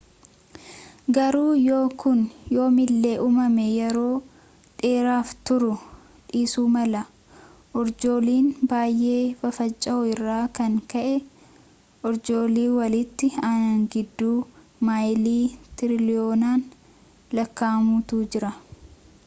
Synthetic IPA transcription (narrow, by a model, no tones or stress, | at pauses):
ɡɐɾuːjoːkʊnjo̞ːmɪlːe̞ːʔumɐmɛjɛɾo̞ː | ᶑe̞ːɾaːft̪ʊɾʊ | ᶑiːsuːmɐlɐ | ʔɔɾd͡ʒo̞ːliːnbaːjʔe̞ːfɐfɐt͡ʃʼːɐɔɪrːaːkɐŋkɐʔɛ | ʔɔɾd͡ʒo̞ːliːwɐlɪt̪ːɪanaŋɡɪd̪ːuː | maːjliːt̪ɪɾɪlɪoːnaːn | lɐkːaːmut̪uːd͡ʒɪɾɐ